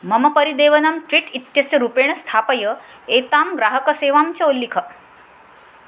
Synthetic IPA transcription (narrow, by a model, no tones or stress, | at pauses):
məməpəɾid̪eːʋənəmʈʋiʈit̪jɐsjəɾupeɳ̃st̪ʰapəjə | et̪amɡɾaɦəkəseːʋamt͡ɕɐulːikʰə